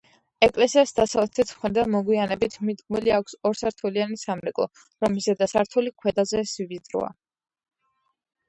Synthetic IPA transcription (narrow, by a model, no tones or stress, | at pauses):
ɛkʼlɛsiasd̪̥asavɛt̪ʰɛt̪sʰχwɛd̪amɔɡwianɛbit̪ʰmid̪ɡmɛliakʷʰsɔɾsaɾt̪ʰulianisamɾɛkʼlˠɔ̰ | ɾɔmizɛd̪asaɾt̪ʰulikʰwɛd̪azɛsivizɾɔ̰a̰